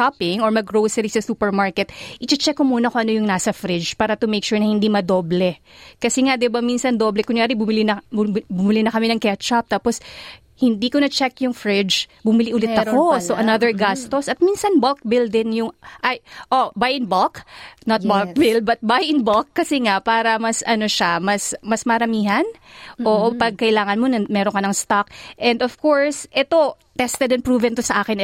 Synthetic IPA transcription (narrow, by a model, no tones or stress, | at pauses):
apɪŋoɹmɐɡɾowsɛɾisɐsuːpɛɹmaɹkɛt̪̚ʔɪt͡ʃɐt͡ʃɛkːomuːnɐkoʔɐno̞jʊŋnaːsɐfɾɪd͡ʒpaːɾɐt̪ʊmɛjkʃuːɹnɐhɪnd̪imɐd̪oːblɛkɐsɛŋad̪ɪbɐminsɐnd̪oblɛkʊŋjaːɾɪbʊmɪlinɐbʊmɪlinɐkɐmɛnɐŋkɛt̪t͡ʃap̚t̪aːpos | hɪnd̪iːkonɐt͡ʃɛkjʊŋfɹɪd͡ʒbʊmɪliʔʊlɪt̪ːɐkosoʔɐnaðɛɹɡast̪osɐt̪̚minsɐnbalk̚bɪld̪ɪnjʊŋʔɐjʔobajɪnbalknɐt̪̚balk̚bɪlbɐt̪̚bajʔɪnbalk̚kːɐsɛŋapaːɾɐmɐsɐno̞ʃamɐsmɐsmɐɾɐmiːɦɐnʔoːʔpɐɡ̚kɐʔɪlaːŋɐnmo̞nɐmɛɾoŋkɐnɐŋst̪akʔɛnd̪ofkoɹsʔɛt̪o̞ | t̪ɛst̪ɛd̪ɛnpɹuːvɛnt̪osɐʔaːkɪn